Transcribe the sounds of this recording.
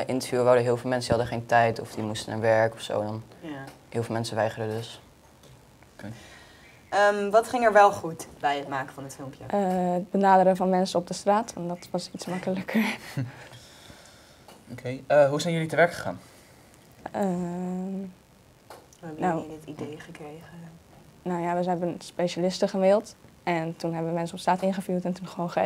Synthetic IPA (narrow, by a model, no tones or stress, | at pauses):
ʔɪntəɹvjuʋadəɦɪːlˠvɪːlˠmɛnsəɦɑdəχejntɛjtɔfdimustəna̰ːɹʋɛɹkɔfso̰wndɔn | ɦɪːlˠvɪlˠmɛnsəʋɛjχərdədɵs | ke | əmʋɑtχɪŋəɹʋɛlˠχutbɛjətmaːkəvɑnətfɪlˠmpjəʔəət̚bənaːdəɾənvɑnmɛnsəɔb̚dəstraːtɛndɑtʋɑsitsmɑkələkəɹ | okʰejəɦusɛjnjɵlitəʋɛɹkχə̥χa̰ːn | ə | uɛbənawdɪtidejχəkrejχə | nawjaʋəɦɛbənspejʃalɪstəχəmɪlˠtʔɛntunɦɛbəəmɛnsənɔpstraːtɪnχəfyːɹtɛntunχəʋonχə